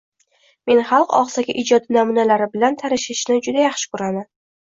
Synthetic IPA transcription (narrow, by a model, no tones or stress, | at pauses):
me̞nχɑlˠqɒ̰qsaɡʲaʔɪd͡ʒɒd̪ɪnamʊnalaɾɪbɪlant̪ʰaɾɪʃɪʃnɪd͡ʒʊd̪ajaχʃɪ̥kʊɾanɪ